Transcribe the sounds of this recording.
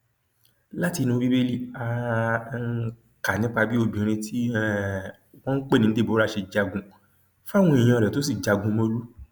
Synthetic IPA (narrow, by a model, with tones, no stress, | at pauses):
la˦ti˧nũ˧bi˦be˦li˦˨a˨˧˦ | ka˨nĩ˨˦k͡pa˧bi˦o˧bĩ˨˧ɾ̃ĩ˧tʰi˦˨ | wɔ̃˦k͡pe˦˨nĩ˧˦de˦˨bo˨˦ɾa˦˨ʃe˧d͡ʒa˧ɡũ˧ | fa˦˨w̃ɔ̃˧i˨j̃ã˧˨ɾɛ˨to˨˦s̬i˦˨d͡ʒa˨ɡũ˧mo˧˦lu˦